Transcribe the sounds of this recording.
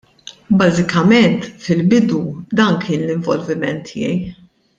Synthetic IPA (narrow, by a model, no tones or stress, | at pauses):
bɐzɪkɐmɛnt̪fɪlbɪd̪ud̪ɐːnkʰɪːnlɪɱvɔlvɪmɛnt̪ʰːɪ̰jɛ̰j